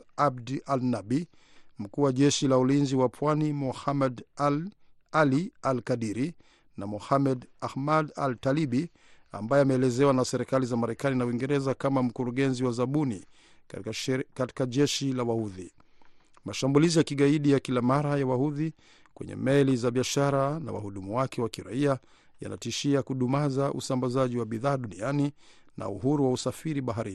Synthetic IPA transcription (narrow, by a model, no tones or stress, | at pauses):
abdalnaɓi | m̩kuːwaʄɛʃilaulinziwapʰwanimɔhamɛd | alialkaɗiɾi | namɔhamɛdahmada̰ltaliɓi | a̰mbajɛamɛːlɛzɛwanasɛɾikalizamaɾɛkaninawiŋɡɛɾɛzakamam̩kuɾuɠɛnziwazaɓunḭ | kati̥kaʄɛʃilawahuði | maʃambulizijakiɠaiɗijakilamaɾajawahuði | kwɛ̰ɲɛ̰mɛlizaɓiaʃaɾana̰wa̰huɗumuwakʰɛwakiɾa̰ia | ja̰na̰tiʃiakuɗumazaʔusambazaʄiwaɓiðaːɗuniani | na̰uhuɾuwausafiɾiɓaɦaɾin